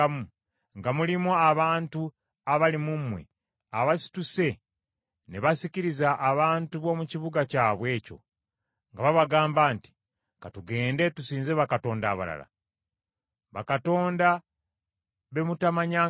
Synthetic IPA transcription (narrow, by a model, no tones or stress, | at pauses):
mu | ŋɡamulimoaβaːntu | aβalimumwḛ | aβasi̥tuse̞ | neβasiciɾizaʔːβaːntuβo̞ːmuciβuɡacaːβwe̞ːco̞̰ | ŋɡaβaβaɡaːmbaːnti̥ | katuɡe̞ːnde̞tusiːnzeβakato̞ːnda̰βa̰la̰la̰ | βakato̞ːnda | βe̞mutamaɲa